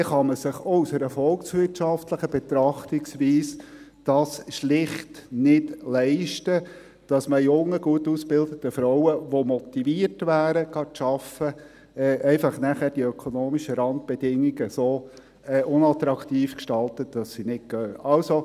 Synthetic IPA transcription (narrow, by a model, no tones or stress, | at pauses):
ɛχɑməsɪχousəɾɛfɔlksʋɪtʃɑftləχəb̥ɛt̪ɾɑχtiksʋiːs | d̥ɑːsʃlɪχtnɪdlɛɪʃtə | d̥ɑsməjʊŋːəɡ̥uətusb̥ɪldətəfɾaʊəʋomɔt̪iviəɾtʋæːɾəɡ̥ɑʃɑfə | ɛːʔɛɪfɑχnæχæːɾd̥iœkʰonoːmiʃəɾɑnt̪̚b̥ed̥ɪŋːiɡəsoː | ɛʔʊnɑt̪ɾɑkt̪iːfkʃtɑltətd̥ɑsːinɪt̚ɡøːɑlso